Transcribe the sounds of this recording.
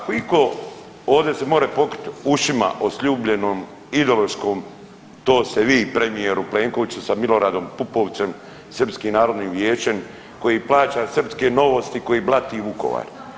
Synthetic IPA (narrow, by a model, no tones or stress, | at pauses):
akoiko | oːʋd̪ese̞mo̞ːɾepo̞kɾi̥t̪uʃima̰ʔosʎuːbʎe̞noːm | id̪eoloʃkoːm | t̪oːst̪eʋiːpɾe̞mije̞ɾupleːŋkoʋit͡ɕusamilo̞ɾaːd̪o̞mpupo̞ʋt̪se̞m | sər̩pskinaːɾo̞d̪niːʋjeːt͡ʃen | ko̞jiːplaːt͡ɕasrpskeno̞ʋost̪iko̞jiːblˠat̪iʋuko̞̰ʋa̰ːɾ